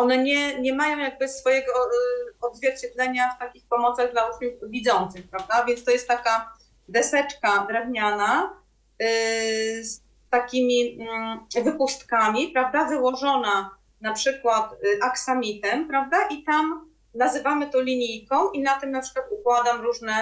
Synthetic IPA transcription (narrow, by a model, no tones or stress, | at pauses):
ɔnɛɲɛɲɛmajɔ̃w̃jaɡ̚bɘsfɔjɛɡɔɔd̪zvʲjɛɾt͡ɕɛd̪lɛɲaft̪akʲixpɔmɔt̪saɣd̪laɾuznixvʲid̪zɔnt̪sɘxpɾavd̪avʲjɛntst̪ɔjɛst̪ːaka | d̪ɛsɛt͡ʂkad̪ɾɛvɲana | s | t̪akʲimʲi | vɘpust̪kamʲipɾavd̪avɘwɔʐɔna | napʂɘkwat̪ʔaksamʲit̪ɛmpɾavd̪aʔit̪am | nazɘvamɘt̪ɔ̃lʲiɲijkɔ̃w̃ʔinat̪ɘmnapʂɘkwat̪ukwad̪amɾuʐnɛ